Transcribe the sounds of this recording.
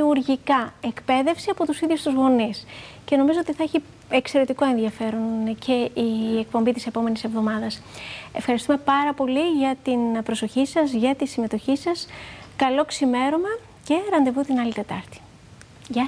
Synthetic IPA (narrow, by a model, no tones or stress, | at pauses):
uɾʝikɐe̞kpe̞ðe̞fsiɐpo̞t̪usiðʝust̪uzɣo̞nisce̞no̞mizo̞o̞t̪iθɐeçi | ekse̞ɾe̞t̪iko̞e̞nðiɐfe̞ɾo̞ncʰe̞iek̚po̞mbit̪ise̞po̞me̞nisevðo̞mɐðɐse̞fxɐɾist̪ume̞pɐɾɐpo̞liʝɐt̪inpɾo̞so̞çisɐzʝɐt̪isime̞t̪o̞çisɐskɐlo̞ksime̞ɾomɐ | ce̞ɾɐnd̪e̞vut̪inɐlit̪e̞t̪ɐɾt̪i̥ | ʝɐ